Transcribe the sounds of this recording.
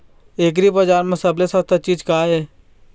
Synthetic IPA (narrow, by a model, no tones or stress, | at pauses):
eːk̬ɾibəd͡ʒaːɾmẽsəblesət̪ʰat͡ʃiːd͡ʒkaːɦeː